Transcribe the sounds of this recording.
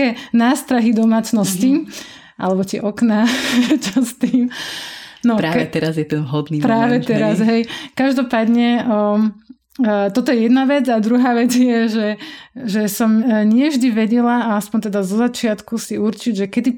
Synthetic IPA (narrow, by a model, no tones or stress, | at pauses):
ɛːnaːst̪ɾaɦid̪ɔmaːt͡snɔsci | ʔa̰lɛbɔt̪ɪɛ̰ʔɔknat͡ʃast̪iːm | nɔɾaːɛt̪ɛɾazjɛt̪ɛnʋɦɔd̪niːpɾaːʋɛt̪ɛɾazɦɛjkaʒd̪ɔpaːd̪ɲɛ | t̪ɔt̪ɔjɛjɛd̪naʋɛd͡zad̪ɾuɦaːʋɛd͡zjɛʒɛʒɛsɔmɲɪɛvʒd̪iʋɛɟɛlaːaspɔɲt̪ɛd̪azɔzat͡ʃɪat̪kusiuɾt͡ʃiɟʒɛkɛd̪i